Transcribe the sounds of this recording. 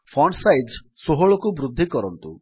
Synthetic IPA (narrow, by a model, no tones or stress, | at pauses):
fʰɔɳsajdd͡ʒ | soɦoɭɔkubɾud̪ʱːikɔɾɔnt̪ṵ